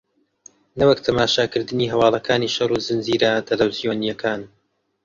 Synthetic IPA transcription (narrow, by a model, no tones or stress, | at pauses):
nɐwɐkt̪ʰɐmaːʃaːkɨɾd̪ɨniːɦɐwɑːlˠɐkʰaːniːʃɐruːzɨnziːɾat̪ʰɐlɐwzijoːnijɐkʰaːn